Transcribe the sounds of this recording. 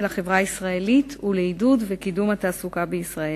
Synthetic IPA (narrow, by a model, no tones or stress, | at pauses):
laχe̞vʁaisʁae̞lituleidudvekidumhat̪aːsukabeisʁae